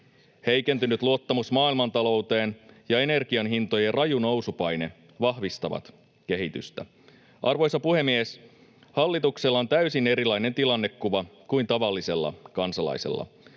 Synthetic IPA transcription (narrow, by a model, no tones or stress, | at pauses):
he̞jkent̪ynyt̪luot̪ːɑmusmɑːilmɑnt̪ɑlo̞wt̪e̞ːnjɑe̞ne̞rɡ̥iɑnɦint̪o̞jerʔɑjuno̞wsupɑjne̞ | ʋɑhʋist̪ɑʋɑ̰t̪ | k̟e̞ɦit̪y̰st̪æ | ʔɑrʋo̞jsɑpuhe̞mːies | hɑlːit̪ukselːɑont̪æysine̞ɾilɑjne̞nt̪ilɑnːekːuʋɑkuint̪ɑʋɑlːise̞lːɑ̰kɑnsɑlɑ̰jsḛlːɑ̰